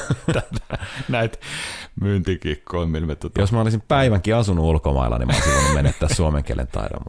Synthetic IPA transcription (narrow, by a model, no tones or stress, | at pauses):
t̪æt̪næit̪mynt̪ikikːoimmilmet̪ot̪josmɑolisimpæiʋæŋkiɑsunuulkomɑ̰ilːɑ̰nḭmɑo̰lisiʋoˑnummenːet̪ːæːssuomḛŋkiḛlʔḛnt̪ɑ̰iɾo̰mːɑ